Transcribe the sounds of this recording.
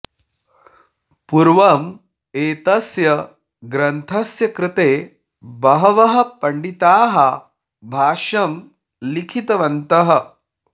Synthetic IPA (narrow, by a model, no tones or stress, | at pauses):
puɾʋɐm | eːt̪ɐsjɐ | ɡɾɐnt̪ʰɐsjɐkɾɪt̪eː | bɐɦɐʋɐɦɐ̆pɐɳɖit̪aːɦɐ | bʱaːʃɐm | likʰit̪ɐʋɐnt̪ɐɦɐ̆